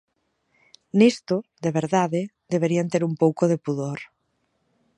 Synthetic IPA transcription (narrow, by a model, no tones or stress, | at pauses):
nist̪ʊðeβ̞eɾðaðe | d̪eβ̞eɾiant̪eɾumpowkoðepuðoɾ